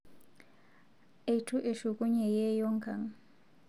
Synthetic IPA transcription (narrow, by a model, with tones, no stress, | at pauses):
e˨jtʰu˦ʔe˨ʃu˨kʼu˦ɲɛ˨je˦jo˦ŋkʰa˨ŋ